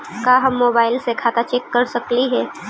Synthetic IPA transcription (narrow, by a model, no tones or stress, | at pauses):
kaːɦɐmːoːbaːɪlsekʰaːt̪at͡ʃɛːkːɐɾsɐkliɦɛː